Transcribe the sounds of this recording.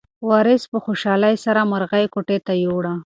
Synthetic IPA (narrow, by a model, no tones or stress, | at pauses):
wɑɾɪspəxoʃɑlajsaɾamaɾɣajkoʈet̪ajoɽa